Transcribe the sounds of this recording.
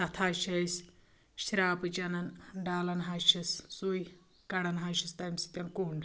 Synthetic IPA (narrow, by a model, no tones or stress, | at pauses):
t̪ɐt̪ʰaːʃɐsʲ | ʃɾaːpɨt͡ʃɐnɐnɖaːlɐnɦaʃissuj | kɐɽɐnɦaʃist̪ɐmsi̥t̪ʲɐnkoːɳɖ